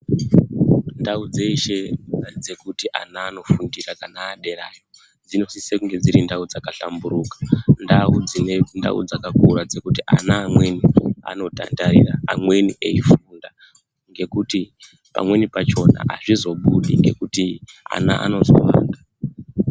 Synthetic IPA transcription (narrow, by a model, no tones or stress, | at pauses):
ndaud͡zeiʃead͡ze̞kutiʔa̰naːno̞fundirakanaːɗe̞ra̰ːjo̞ | d͡zino̞sisekuŋɡe̞d͡ziɾindaud͡zakaɬa̰mbuɾukḁndaud͡zinenda̰ṵd͡zakakuɾad͡ze̞kutiʔa̰naːmwe̞nia̰no̞ta̰ndaɾḭraːmwe̞niʔeifuːnda | ŋɡe̞kuti | pa̰mwe̞nipat͡ʃo̞na̰ʔaʐizo̞ɓuɗiŋɡe̞̰kutia̰na̰ʔa̰no̞zo̞̰ʋa̰ːnda